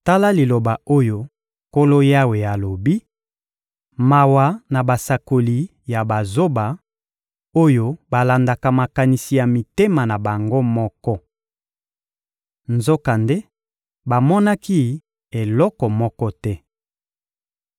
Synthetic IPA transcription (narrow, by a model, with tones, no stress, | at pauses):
ta˦la˦li˨lo˨ba˨o˦jo˦ | ko˦lo˦ja˦we˨ja˨lo˨bi˦ | ma˨wa˨na˨ba˨sa˨ko˨li˨ | ja˨ba˨zo˦ba˨ | o˦jo˦ba˨la˨nda˨ka˨ma˨ka˨ni˨si˨ja˨mi˨te˦ma˨na˨ba˨ŋɡo˦mɔ˦kɔ˦ | nzo˦ka˨nde˦ | ba˨mɔ˦na˦ki˦ | e˨lɔ˦kɔ˨mɔ˦kɔ˦tɛ˦